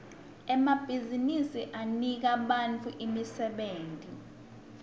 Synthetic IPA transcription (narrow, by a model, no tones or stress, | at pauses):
ɛmab̥ʱizinisiʔanik̬aɓant͡fʰuʔimisɛɓeːntʼi